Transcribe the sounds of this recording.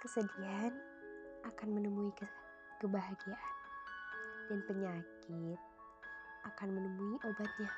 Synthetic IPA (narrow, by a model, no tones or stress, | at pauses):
kəsədian | ʔakanmənəmuikə | kəbaɦaɡiaʔan | danpəɲakit̪̚ | ʔakanmənəmuiʔobat̪̚ɲa